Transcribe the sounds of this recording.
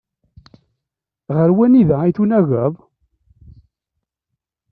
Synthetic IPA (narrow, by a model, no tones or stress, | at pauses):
ʁəɾwæniðæiθunæɣəðˤ